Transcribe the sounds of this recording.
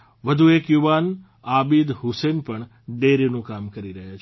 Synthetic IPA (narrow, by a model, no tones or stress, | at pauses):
ʋəd̪ʱuekjuʋan | abid̪ɦʊsenpəɳ | ɖeɾinũkamkəɾiɾəɦjat͡ʃʰ